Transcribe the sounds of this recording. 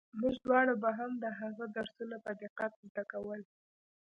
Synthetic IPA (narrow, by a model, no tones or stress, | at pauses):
muʒd̪wɑɽabaɦamd̪əɦaɣad̪aɾsunapəd̪ɪqat̪̚ʈ̪akawəl